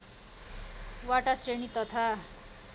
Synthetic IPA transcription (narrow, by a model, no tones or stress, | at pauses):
waʈasrenit̪ʌt̪ʰa